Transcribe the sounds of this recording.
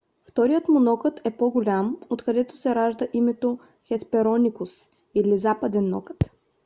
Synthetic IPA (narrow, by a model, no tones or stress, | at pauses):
ft̪ɔɾijət̪monɔkət̪ɛpoɡolʲamot̪kɐd̪ɛt̪o̥sɛɾaʒd̪əʔimɛt̪o | xɛspɛɾɔnʲikʊs | ilizapɐd̪ɛnːɔ̰kə̥t̪